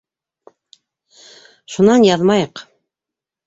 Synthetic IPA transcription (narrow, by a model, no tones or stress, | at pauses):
ʃunɑnjɑðmɑjɤq